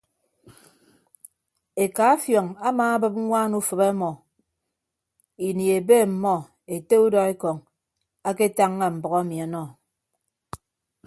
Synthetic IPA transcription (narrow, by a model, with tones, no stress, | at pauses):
e˨ka˨˦a˦fjɔ˨ŋa˦maː˨a˦bɨ˦p̚ŋʷaː˦nu˦fɨ˨ba˦mɔ˨ | i˨ni˨e˨be˦˨m̩˨mɔ˦ | e˨te˦u˦dɔ˨e˦kɔ˨ŋ | a˦ke˦ta˦ŋːa˨m̩˨bɔ˨ɣa˦mi˨a˨nɔ˦˨